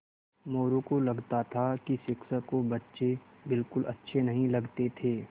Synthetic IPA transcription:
moːɾõkolɐɡt̪at̪ʰakisɪksəkobɐtːʃe | bɪlkʊlɐtːʃʰenɐɦĩlɐɡt̪et̪ʰeː

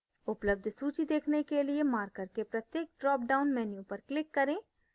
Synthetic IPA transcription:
ʊpləb̚d̪ʱsuːt͡ʃid̪eːkʰnekeliemaːɾkəɾkepɾɐt̪jeːk̚ɖɾɔːp̚ɖaːʊnmɛːnjõpɐɾklɪkːɐɾẽː

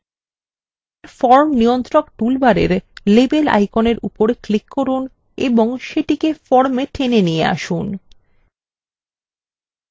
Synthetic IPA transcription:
ɾfɔɾmnijont̪ɾokʈulbaɾeɾlebela̰jkoneɾupoɾklikːoɾun | eboŋʃeʈikefɔɾmeʈʰenenijḛa̰ʃun

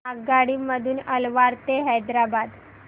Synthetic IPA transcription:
aɡaɽiːməd̪ʱuːnəlʋaɾt̪eɦajd̪ɾabad̪

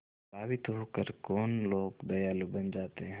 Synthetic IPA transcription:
aːbɪt̪ɦokəɾkoːnloːɡd̪ɐjaːlubɐnd͡ʒaːt̪eɦ

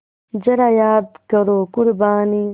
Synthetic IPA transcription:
d͡ʑɐɾajaːd̪kɐɾoːkuɾbaːni

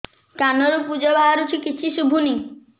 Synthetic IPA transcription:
kanɔɾupud͡ʒɔbaɦaɾut͡ʃʰikit͡ʃʰiʃubʱuni

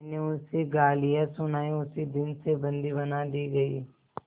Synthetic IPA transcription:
neʊseɡaːlijasʊnaːiʊsid̪ɪnsebɐ̃nd̪ibɐnad̪iːɡɐḭː

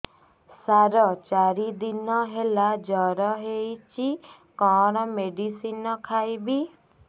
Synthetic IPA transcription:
saɾɔt͡ʃaɾid̪inɔɦelad͡ʒɔɾɔɦejt͡ʃʰi | kɔɽ̃ɔmeɖisinɔkʰajbi

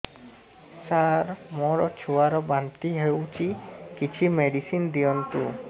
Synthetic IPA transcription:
saɾmɔɾɔt͡ʃʰuaɾɔbant̪iɦewt͡ʃʰikit͡ʃʰimeɖisind̪ijɔnt̪u

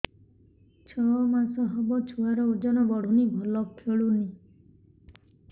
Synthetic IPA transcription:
t͡ʃʰɔmasɔɦɔbɔt͡ʃʰuaɾɔud͡ʒɔnɔbɔɽ̤ʱunibʱɔlɔkʰeɭuni

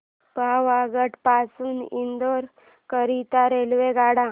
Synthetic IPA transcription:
bʱaʋaɡəʈpasuːnind̪oɾ | kəɾit̪aɾelʋeɡaɽã

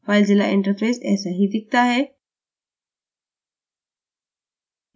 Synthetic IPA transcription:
faːɪld͡ʑila̰ʔɪ̰̃ɳʈəɾpeːsɛ̰ːsaɦid̪ɪk̚t̪aɦeː

